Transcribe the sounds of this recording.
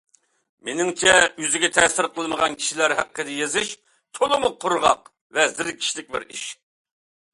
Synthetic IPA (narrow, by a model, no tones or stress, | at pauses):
menɪŋt͡ʃʰɛyzɪɡʲɛt̪ʰɛsɪɾqəlˠməʁɑnkʲʰi̥ʃilæɾhæqːəd̪ɪjezɪʃ | t̪ʰolˠɨmʊqʰːʊɾʁɑ̰q | vɛzɪɾɪkʲʰi̥ʃlɪk̚ʲbɪ̰ɾḭʃ